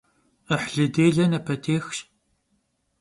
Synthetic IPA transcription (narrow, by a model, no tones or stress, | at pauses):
əħɮɨdeːɮɐnɐpʰɐtʰeːxʃ